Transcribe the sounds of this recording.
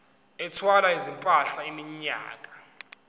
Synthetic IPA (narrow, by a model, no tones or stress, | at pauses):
ɛtʰwalaizimpʼaɬaimiɲa̰ːkʼḁ